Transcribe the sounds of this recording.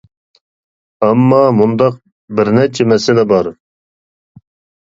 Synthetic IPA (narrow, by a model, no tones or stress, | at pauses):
ɛmːɑmund̪ɑq̚ | bɪɾnɛt͡ʃʰɛmɛsɪlɛbɑɾ